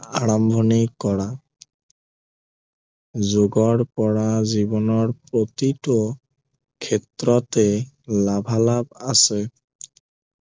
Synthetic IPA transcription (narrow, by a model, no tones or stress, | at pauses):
aɹambʱɔnikɔɹa | zoɡɔɹpɔɹazibɔnɔɹpɹotitɔ | kʰɛtɹɔtɛ | labʱalabasɛ